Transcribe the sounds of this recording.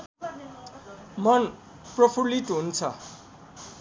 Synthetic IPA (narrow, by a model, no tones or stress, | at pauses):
mʌn | prʌpʰuliʈɦunt͡sʰʌ̰